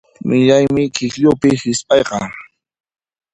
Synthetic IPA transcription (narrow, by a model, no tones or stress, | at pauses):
mɪʎajmɪkɪkʎʊpɪhɪspʼɑjqɑ